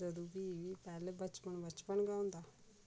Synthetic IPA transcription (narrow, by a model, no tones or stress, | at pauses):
d͡ʒəd̪ubiːipɛːlebət͡ʃpəɳbət͡ʃpəɳɡaõːnd̪aː